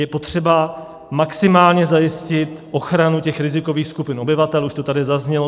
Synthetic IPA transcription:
jɛpo̞t̪r̝̥ɛba | maksɪmaːlɲɛzajɪscɪt̪ʔo̞xɾanucɛxɾɪzɪko̞viːxskupɪno̞bɪvat̪ɛluʃt̪ot̪adɪzazɲɛlo

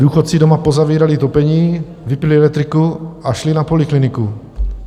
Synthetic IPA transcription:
duːxot̪t͡sɪdomapozaviːɾalɪt̪opɛɲiː | vɪpɪlɪɛlɛk̚t̪ɾɪkuʔaʃlɪnapo̞lɪklɪnɪku

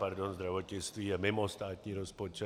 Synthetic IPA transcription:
paɾd̪ɔnzd̪ɾaʋɔtɛt͡st̪ʋiːamɛmɔst̪aːt̪ɲiɾɔspɔt͡ʃɛ

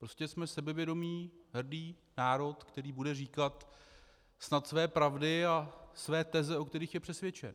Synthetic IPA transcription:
pɾoscɛsmɛsɛbɛvjɛdo̞miːɦr̩diː | naːɾo̞t̪kt̪ɛɾiːbudɛriːkat̪ | snat̪svɛːpɾavdɪasvɛːt̪ɛzɛo̞kt̪ɛɾiːxjɛpr̥ɛsvjɛt͡ʃɛ̰n

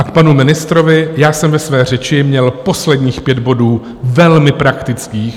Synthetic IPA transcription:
ʔakpanumɪnɪst̪ɾovɪjaːsɛmvɛsvɛːr̝ɛt͡ʃɪmɲɛlpo̞slɛdɲiːxpjɛd̪bo̞duː | vɛlmɪpɾakt̪ɪt͡skiːx

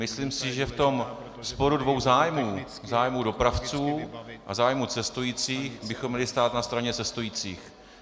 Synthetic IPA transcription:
mɪsliːmsɪʒɛft̪o̞m | spo̞ɾudvo̞wzaːjmuː | zaːjmuːdo̞pɾaft͡suːʔa̰zaːjmut͡sɛst̪ujiːt͡siːxbɪxomːɲɛlɪst̪aːt̪nast̪ɾaɲɛt͡sɛst̪ujiːt͡sḭːx

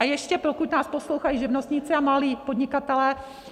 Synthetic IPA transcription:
ajɛʃcɛpɾokucnaːsposlowxajiʒɪvnost̪ɲɪt͡sɪamaliːpod̪ɲɪkat̪ɛlɛː

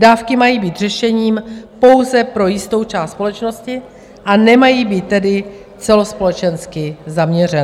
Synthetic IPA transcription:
daːfkɪmajiːbiːt̪r̝ɛʃɛɲiːmpo̞wzɛpɾo̞jɪst̪o̞wt͡ʃaːst̪spo̞lɛt͡ʃno̞scɪ | ʔanɛmajiːbiːt̪ːɛdɪ | t͡sɛlo̞spo̞lɛt͡ʃɛnskɪzamɲɛrɛn

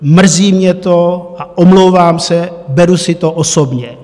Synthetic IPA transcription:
mr̩ziːmɲɛt̪oʔaʔomlowvaːmsɛbɛɾusɪt̪oʔosobɲɛ

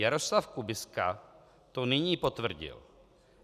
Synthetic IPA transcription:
jaɾoslafkubɪska̰ | t̪onɪɲiːpot̪vr̩ɟɪ̰l

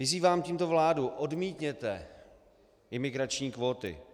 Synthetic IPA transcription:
vɪziːvaːmciːmt̪o̞vlaːduʔodmiːt̪ɲɛt̪ɛ | ɪmɪɡɾat͡ʃɲiːkvo̞ːt̪ɪ̰

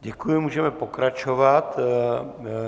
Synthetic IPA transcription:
ɟɛkujɪmuːʒɛmɛpokɾat͡ʃovat̪

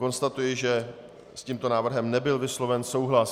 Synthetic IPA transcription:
ko̞nst̪at̪ujɪʒɛ | sciːmt̪o̞naːvr̩ɦɛmnɛbɪlvɪslo̞vɛnso̞wɦlas

